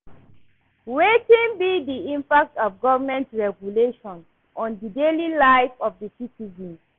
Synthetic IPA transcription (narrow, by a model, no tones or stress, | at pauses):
wetĩnbidiĩmpak̚tɔfɡɔvəmɛ̃ntɹɛɡjuleʃɔ̃n | ʔɔ̃ndidelilaɪfɔfdisitizɔ̃n